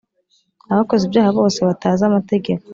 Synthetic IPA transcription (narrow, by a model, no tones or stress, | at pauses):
aβako̞zibjaːhaβo̞ːse̞βataːzamate̞ɡe̞ko̥